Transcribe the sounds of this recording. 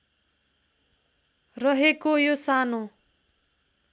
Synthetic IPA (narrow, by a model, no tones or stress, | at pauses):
rʌɦekojosano